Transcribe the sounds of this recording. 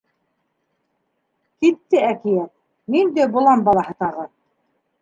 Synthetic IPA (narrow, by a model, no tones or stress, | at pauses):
kit̪ːɘækijæt̪̚ | nind̪æbŭlˠɑmbɑlˠɑɦɤt̪ɑʁɤ